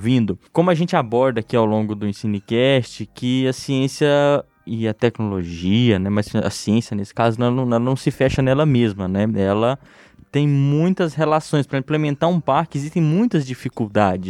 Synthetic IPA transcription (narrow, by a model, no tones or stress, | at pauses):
vĩnd̪ʊkõmʊɐʒẽnt͡ʃɪabɔɾd̪ɐakiawlõŋɡʊd̪ʊẽsĩnʊkɛst͡ʃɪkɪɐsiẽsijɐ | ɪɐt̪ɛknoloʒiɐnɛmɐsɐ̰siẽsjɐnesɪ̥kazʊnɛnɐ̃w̃nɛlɐnɐ̃w̃sɪfɛʃɐnɛlɐmezmɐnɛɛlɐ | t̪ẽj̃mũj̃t̪ɐshelasõj̃spɾɐĩplemẽnt̪aɾũpaɾkɪezist̪ẽj̃mũj̃t̪ɐzd͡ʒifikuwd̪ad͡ʒɪs